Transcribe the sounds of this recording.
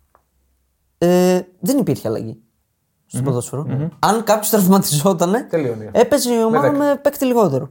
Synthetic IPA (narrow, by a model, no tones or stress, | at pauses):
eðenipiɾçeɐlɐ̰ʝi | st̪opoðosoɾoɐŋkɐpço̞st̪ɾɐfmɐt̪i̥zo̞t̪ɐne̞t̪elione̞pe̞zeomɐmepekt̪iliɣo̞t̪e̞ɾo